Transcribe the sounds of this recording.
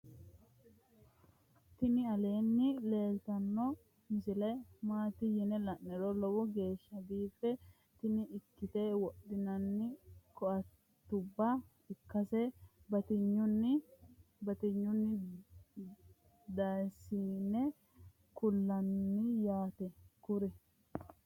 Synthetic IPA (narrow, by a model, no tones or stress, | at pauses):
t̪ɪnɪɐle̞ːnːɪle̞ːlt̪ɐnːɔ | mɪsɪlɐjmaːt̪ɪjɪnɛlɐnːɛɾɔlɔwɔɡe̞ːʃːɐb̪iːfɛ | t̪ɪnɪʔɪkːɪt̪eːwɔɗɪnɐnːɪkɔʔɐt | t̪ːʊbːa | ɪkːɐsɛbɐt̪ɪɲːʊnːɪbɐt̪ɪɲːʊnːɪ | d̪asiːnɛ | kʊlːɐnːɪjaːt̪ɛkʊɾɛ